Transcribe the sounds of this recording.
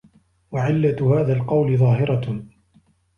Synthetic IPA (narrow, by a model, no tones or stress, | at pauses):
waʕɪlːahaːðaːlqɑwlɪðˤɑːɦɪɾɑ